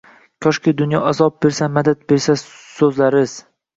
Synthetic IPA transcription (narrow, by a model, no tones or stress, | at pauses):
kʲʰɒʃkʲɪd̪ʊnjɒazɒb̚be̞ɾsamad̪at̪̚be̞ɾsa | sɵzlaɾɪz̥